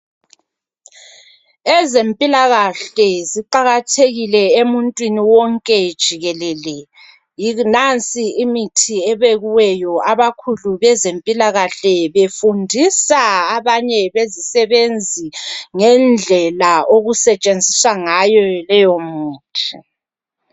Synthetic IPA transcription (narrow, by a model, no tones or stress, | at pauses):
ɛzempʼilaɣaɬɛziǃaɣatʰeɣilɛemuntʼwiniwɔŋkʼɛd̥ʒ̥ʱiɣɛlɛlɛ | jinant͡sʼiimitʰiɛβeɣuwɛjɔaβakʰuluβɛzempʼilaɣaɬɛβefundʱisaaβaɲɛβezisɛβend͡zʱiŋɛnd͡ɮʱɛlaoɣusɛt͡ʃʼend͡zʱiswaŋajɔlɛjomuːtʰi̥